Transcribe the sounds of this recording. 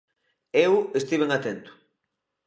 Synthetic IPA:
ewest̪iβ̞eŋat̪ent̪ʊ̥

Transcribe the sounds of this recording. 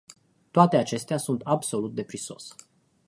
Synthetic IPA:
t̪oat̪e̞at͡ʃe̞st̪easunt̪abso̞lut̪̚d̪e̞pɾiso̞̰s

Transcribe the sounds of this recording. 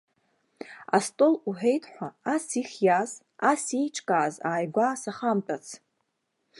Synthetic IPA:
astʼoluħᶣejtʰʼħʷaasiχʲjaz | asijʈ͡ʂʰʼkʼaːzaːjɡʷasaχamtʼat͡sʰ

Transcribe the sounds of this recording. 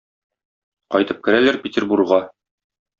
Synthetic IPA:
qɒjt̪ɤp̚kɘ̆ɾælæɾpʲet̪ʲerburʁɑ

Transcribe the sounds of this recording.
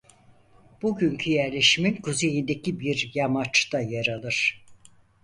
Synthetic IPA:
b̥uɟyɲcʰyjæɾlʲe̞ʃiminkʰuze̞jind̪ecibiɾjamat͡ʃt̪ʰajaɾalˠɯɾ̥

